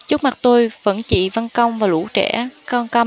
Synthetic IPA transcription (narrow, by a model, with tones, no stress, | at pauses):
t͡ɕɨ˦˥k̚ma˨˩t̚t̪o˧jvə̰˧˥nt͡ɕḭ˧˨va˧nkə˧wŋ͡mvaː˨˩lṵ˧˥t͡ɕɛ̰˧˩ka˧ŋkə˧